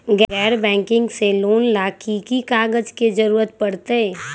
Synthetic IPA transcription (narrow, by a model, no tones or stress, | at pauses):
ɡɛɡɛːɾbɛ̃ːŋkɪ̃ŋɡseloːnlaːkʰikikaːɡəd͡ʒked͡ʒɐɾuːɾət̪̚pɐɽt̪e